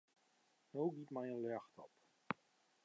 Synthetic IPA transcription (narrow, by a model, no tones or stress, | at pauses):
nowɡitmajənlɛxtɔp